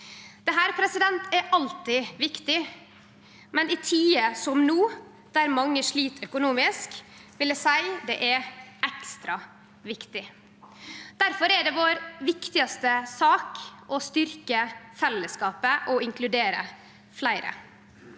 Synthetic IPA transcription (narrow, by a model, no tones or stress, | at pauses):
d̪̥ɛɦæːɾpʰɾɛsɪd̪ɛnt̪ɛɾʔɑlt̪ɪʋɪkt̪ɪ | mɛnɪt̪ʰiːəsɔmnuː | d̪̥æɾmɑŋːəʂɭiːt̪ʰœkʊnuːmɪskʋɪləsæɪd̪ɛ̰ʔɛɾɛkst̪ɾɑ | ʋɪkt̪ɪ | d̪̥æɾfɔɾɛɖɛʋoːɾʋɪkt̪ɪɑst̪əsɑːkʔɔst̪ʏɾkəfɛlːəskɑːpəʔɔɪŋklʉd̪eːɾə̰ | flæɪɾə̰